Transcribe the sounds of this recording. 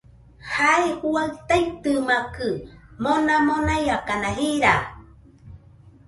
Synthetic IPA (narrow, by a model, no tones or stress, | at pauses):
haehuaɨt̪ait̪ɨmakɨmonãmonajakanãɦiɾa